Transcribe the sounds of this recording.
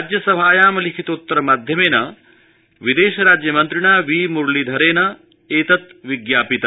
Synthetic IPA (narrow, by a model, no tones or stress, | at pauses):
d͡ʒjɐsɐbʱaːjaːmɐlikʰit̪ut̪ːɐɾɐmaːd̪ʱjɐmeːnɐ | ʋid̪eːʃɐɾaːd͡ʒjɐmɐnt̪ɾiɳaːʋiːmuɾɭid̪ʱɐɾeːnɐ | eːt̪ɐt̪ʋiɡjaːpit̪ɐ